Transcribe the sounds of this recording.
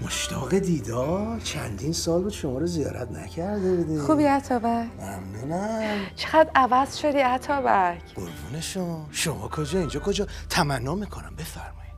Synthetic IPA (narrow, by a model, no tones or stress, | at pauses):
moʃt̪ʰɒːɣed̪iːd̪ɒɾt͡ʃʰænd̪iːnsɒːlbuːd̪ʃomɒːɾozijɒ̰ːɾæ̰t̪næ̰cʰæɾd̪ebud̪iːxuːbiːæt̪ʰɒːbæcmæmnuːnæmt͡ʃʰeɣæd̪ɾʔævæz̥ʃod̪iːæt̪ʰɒːbækʰɡo̰ɾvṵːneʃoʃomɒ̰ːkʰod͡ʒɒːind͡ʒɒːkʰod͡ʒɒːt̪ʰæmænːɒːmiːkʰonæmbe̞fæɾmɒːjid̪̥